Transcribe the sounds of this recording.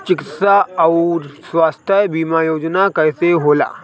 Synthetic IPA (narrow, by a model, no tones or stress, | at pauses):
t͡ʃɪkɪt̪saɔʊɾswaːst̪ʰjəbiːmajoːd͡ʒnakɛɪseɦoːla̰ː